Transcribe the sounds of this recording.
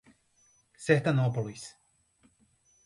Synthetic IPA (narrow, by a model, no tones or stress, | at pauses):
seht̪anopolˠis